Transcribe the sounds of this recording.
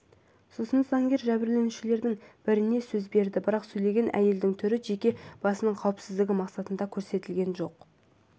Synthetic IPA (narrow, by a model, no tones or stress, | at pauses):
sosənzɑŋɡʲe̞ɾʒæbɪɾle̞nuʃɪle̞ɾd̪ɪŋb̥ɪɾɪne̞sɵzbe̞ɾd̪ɪbəɾɑqsɵjle̞ɡʲe̞nʔæ̰je̞ld̪ɪŋt̪ʰʏɾɪʒe̞kʲe̞b̥ɑsənəɴqʰɑwəpsɪzd̪ɪɡʲɪmɑqsɑt̪ənd̪ɑkʲʰɵɾse̞t̪ɪlɡʲe̞nʒo̞q